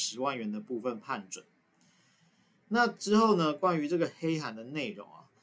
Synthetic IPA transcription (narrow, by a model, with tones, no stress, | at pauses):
ʂɻ̩˨˧˥wa˥˩nɥɛ˨˧˦nd̪ə˨pu˥˧fə˨npʰa˥˩nʈ͡ʂwə˨˩˦n | na˥˨ʈ͡ʂɻ̩˥xo˥˩ʊnə˧kwa˥˦ny˧˥ʈ͡ʂə˥˩ɡə˩xe˥ɪxa˧˦nd̪ə˨ne˥˩ɪɻo̰˨˧˦ŋɐ̰˨